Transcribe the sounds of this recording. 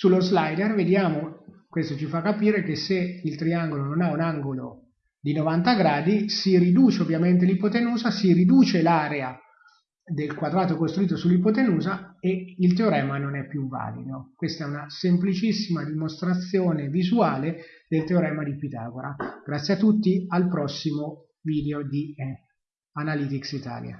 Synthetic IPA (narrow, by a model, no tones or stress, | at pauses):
sulːozlajd̪erved̪jaːmokwest̪ot͡ʃifakːapiːɾek̟eseilt̪ɾiaŋɡolononaunaŋɡolo | d̪inovant̪aɡɾaːd̪isirid̪uːt͡ʃeovːjament̪̬elipot̪enuːzasiɾid̪uːt͡ʃelaɾea | d̪elkwad̪ɾaːt̪okost̪ɾuiːt̪̬osulːipot̪̬enuːzaeilt̪eoɾɛːmanonɛpːjuvːa̰ːlḭd̪okwest̪aɛunasemplit͡ʃisːimad̪imost̪ɾat̪sjoːnevizuaːled̪elt̪eoɾɛːmad̪ipit̪a̰ːɡoɾaɡ̥ɾat̪sːjat̪ːut̪ːialpɾɔsːimo | viːd̪eod̪i | analiːt̪iksit̪a̰ːlja̰